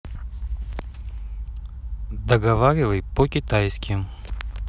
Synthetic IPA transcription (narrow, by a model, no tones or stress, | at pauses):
d̪əɡɐvaɾʲɪvəjpokʲɪt̪ajskʲɪm